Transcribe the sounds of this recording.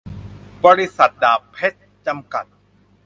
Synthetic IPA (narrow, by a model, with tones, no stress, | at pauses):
bɔː˧ɾi˦˥sa˨˩t̪̚daː˨˩pʰːe˦˥t̪̚t͡ɕa˧mka˨˩t̪̚